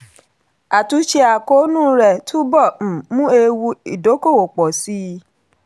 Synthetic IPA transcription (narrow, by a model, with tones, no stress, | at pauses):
a˨tu˨˦ʃe˧a˨ko˨˦nũ˦˨ɾɛ˨tʰu˦bɔ̃˦˨mũ˦e˧wu˧i˨do˨˦ko˦˨o˨k͡pɔ˨si˦˧